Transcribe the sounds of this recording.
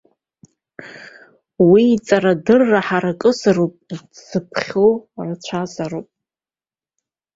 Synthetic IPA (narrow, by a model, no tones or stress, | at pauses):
wiːt͡sʼaɾadɨrːaħaɾakʼɨsɨɾopʼdzɨpʰχʲorat͡ɕʷʰazaɾopʼ